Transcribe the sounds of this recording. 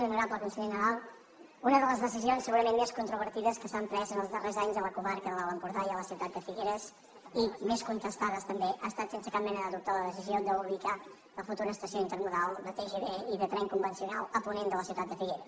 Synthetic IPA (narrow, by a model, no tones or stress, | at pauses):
nəɾapəlˠkunsəʎenəɾalˠ | unəðələzðəsizionsːəɣuɾəmenmːeskunt̪ɾuβ̞əɾt̪iðəskəsampɾɛzənəlˠzðərezaɲzðələkuβaɾkəðələləmpuɾðajələsiwt̪at̪̚d̪əfiɣeɾəs | imeskunt̪əst̪aðəst̪əmbeʔast̪at̪sensəkap̚mɛnəðəðup̚t̪aləðəsiziod̪əuβlika | ləfut̪uɾəːst̪əsioint̪əɾnuðalˠd̪ət̪eʒeβeiðət̪ɾɛŋkumbənsiunalˠəpunend̪ələsiuwt̪at̪̚d̪əfiɣeɾə